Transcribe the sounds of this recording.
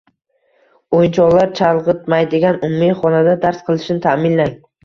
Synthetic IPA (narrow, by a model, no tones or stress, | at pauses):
ojnt͡ʃʰɒʁlˠaɾt͡ʃʰalˠʁɨt̪̚majd̪eɡʲanʊmumiχɒnad̪ad̪aɾsqʰɨlˠɪʃnɪt̪ʰamɪnlaŋ